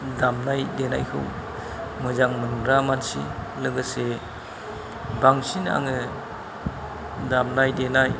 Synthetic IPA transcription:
damnajdena̰jkʰɯ̰w | mɯzaŋmɯnŋɾamansḭlɯŋɡɯse | baŋsina̰ŋɯ | damnajdenaj

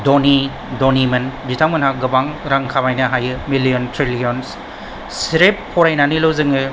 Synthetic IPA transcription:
doni | donimɐnditʰaŋmɐnhaɡɐbaŋɾaŋkʰabajnaɦajɯmilijontʰɾilijons | siɾeppʰːɔɾajnanilowzɯŋɯ

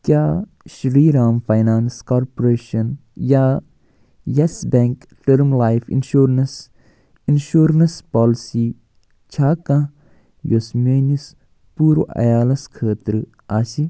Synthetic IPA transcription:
kjaː | ʃɾiːɾaːmfajnaːnskaːɾpoɾeːʃɐnja | jesbeŋk | ʈɐɾmlaːjfʰḭnʃuːɾns | inʃuːɾɐnspaːlisi | t͡ʃʰaːkã | josmeːnis | puːɾoʔɐ̰jaːlɐskʰeːt̪ɾ | aːsi

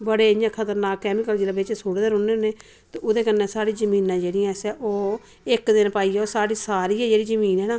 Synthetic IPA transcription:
bəɽeːɪjãːkʰət̪əɾnaːkːɛːmɪkəld͡ʒeːɽaːbɪt͡ʃɛsoːɽd̪eːɾʊnːeːnẽː | t̪eːʊd̪eːkənːeːsaːɽiːzəmĩːnãːd͡ʒeːɽijãːsɛːʔoː | ɪkd̪ɪnpaːiːɛːoːsaːɽiːsaːɾiːɛːd͡ʒeːɽiːzəmiːnɦɛːnãː

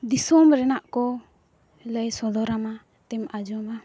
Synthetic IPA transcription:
d̪isɔmɾɛnaʔkɔ | lajsɔd̪ɔɾama | t̪ɛmad͡ʒɔma

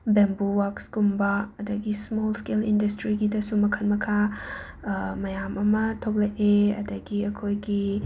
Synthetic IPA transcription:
bembuwakskumbɐɐdɐɡismolskelindɐstɾiɡidɐsumɐkʰɐnmɐkʰa | mɐjamʔɐmɐtʰok̚leʔeɐ̰dɐɡiɐkʰojɡi

